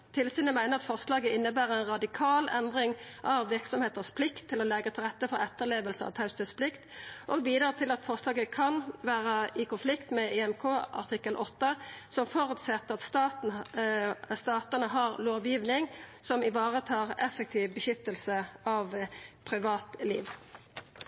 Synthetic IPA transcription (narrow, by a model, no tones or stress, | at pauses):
t̪ʰɪlsyːnəmæɪnəʁɑt̪fɔʁslɑːɡəɪnːəbæːʁəɛɪnʁɑd̪ɪkʰɑːlɛnd̪ʁɪŋʔɑʋʋɪʁksɔmheːt̪əspʰlɪkt̪ʰːɪlɔlɛɡət̪ʰɪlʁɛt̪ːəfɔɾɛt̪ːəʁleːʋəlsəɑ̰ʋt̪ʰɑʉst̪əspʰlɪkt̪ʔoɡʋiːd̪ɾɑːt̪ʰɪlɑt̪fɔʁslɑːɡəkʰɑnʋæːʁəɪkʊnflɪkt̪mɛɪɛmkʰoːɑ̰ʁt̪ʰɪkːəlʔɔt̪ːəsɔmfɔɾʉt̪sɛt̪ːəʁɑt̪st̪ɑt̪n | st̪ɑːt̪ənəɦɑːʁloːʋjiːʋnɪŋsɔmɪʋɑːʁət̪ʰɑːʁɛfːək̚t̪ʰiːʋbəʃʏt̪ːəlsəɑʋpʰʁɪʋɑːt̪lḭːʋ